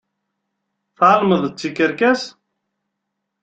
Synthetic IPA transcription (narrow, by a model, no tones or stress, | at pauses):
θaɾˤməðˤət͡sːikːəɾkæs